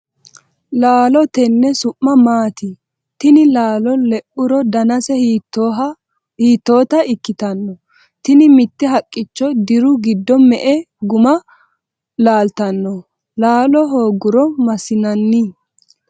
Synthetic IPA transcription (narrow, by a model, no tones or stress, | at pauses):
laːlɔt̪ɛnːɛsʊʔːɐmaːt̪ɪ | t̪ɪnɪlaːlɔlɛʔʊɾɔd̪ɐnɐsɛhtː | hiːt̪ːo̞ːt̪ɐɪkːɪt̪ɐnːɔ | t̪ɪnɪmɪt̪ːɛɦɐkʼːɪt͡ʃːɔd̪ɪɾʊɡɪd̪ːɔmɛʔɛ | ɡʊmɐ | laːlt̪ɐnːɔ | laːlɔɦoːɡʊɾɔmɐsɪnɐnːɪ